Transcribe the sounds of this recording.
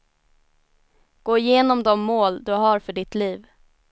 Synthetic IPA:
ɡ̥oːɪjeːnɔmd̪ɔmːoːld̪ɵɦɑɾfœɖɪt̪liːv

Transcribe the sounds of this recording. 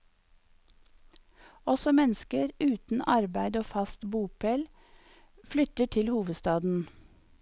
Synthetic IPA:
ɔsɔmɛnskəɾʉːt̪n̩ʔɑɾbæɪd̪oːfɑst̪buːpʰɛl | flʏt̪əʈʰɪlhuːʋəd̪st̪ɑːd̪n̩

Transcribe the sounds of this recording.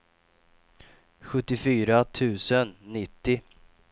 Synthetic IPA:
ɧɵt̪ːɪfyːɾat̪ʰʉ̟ːsənːɪt̪ːɪ

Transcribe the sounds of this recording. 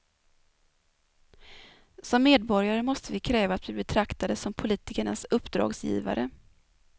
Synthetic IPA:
sɔmːeːd̪̚bɔɾjaɾəmɔst̪əvɪkʰɾɛːvaːt̪vɪbɛt̪ʰɾakt̪ad̪əsɔmpʰʊliːt̪ɪkəɳasɵpːd̪ɾɑ̰ːɡsjḭːva̰ɾə̰

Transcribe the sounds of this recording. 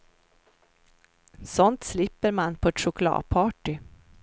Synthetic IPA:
sɔnt̪slɪpːəɾmanpʰɔɛt̪ʂʊkʊlɑ̰ːd̪̚pʰɑːʈɪ

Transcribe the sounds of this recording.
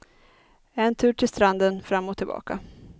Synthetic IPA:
ɛnt̪ʰʉ̟ːʈʰɪlst̪ɾand̪ənfɾamːɔt̪ʰːɪlbɑ̰ːka

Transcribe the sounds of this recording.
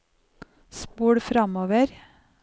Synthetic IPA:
spuːɽʉfɾɑmoːʋəɾ

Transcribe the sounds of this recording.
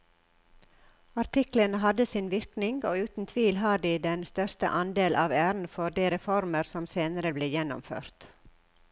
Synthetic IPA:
ɑɾt̪ʰɪklənəɦɑd̪əsiːnʋɪɾknɪŋɡoːʉːt̪n̩t̪ʰʋiːlɦɑːɖiːd̪ɛnst̪œst̪ə̰ʔɑnd̪eːlʔɑːʋæːɾn̩fɔɖ̪eːɾɛfɔɾməɾsɔmseːnəɾəbleːjɛnɔ̰mfø̰ːɾt̪

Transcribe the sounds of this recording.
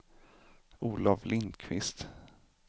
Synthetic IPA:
uːlavlɪnd̪kʰvɪst̪

